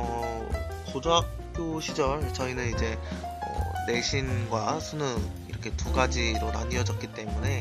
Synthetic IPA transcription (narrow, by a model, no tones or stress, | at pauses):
ʌ | kod͡ʑoɦak̚p͈joɕʰid͡ʑʌɭt͡ɕʌinɯnid͡ʑe̞ | ʌ̰ne̞ɕʰinɡwasʰunɯm | iɾʌkʰe̞tuɡad͡ʑiɾona̰ɲiʌd͡ʑʌk͈it͈e̞mune̞